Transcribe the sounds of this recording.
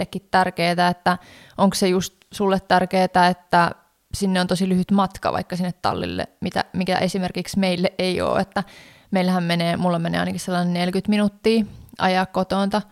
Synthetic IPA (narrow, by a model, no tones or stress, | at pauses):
lːekːit̪tærkeːt̪æet̪ːæ | ʔoŋksejust̪sulːet̪t̪ærkeːt̪æet̪ːæ | sinːeont̪osilyhyt̪mɑt̪kɑ̰ʋɑ̰ikːɑsinːet̪tɑ̰lːḭlːḛmit̪æ̰mikæ̰ʔesimerkiksmeilːeʔeio̰ːet̪ːæ | meilhæmmeneːmulːɑmenḛːɑinɑkisselːɑnennelkyt̪minut̪ːiːʔɑ̰jɑkkot̪ont̪ɑ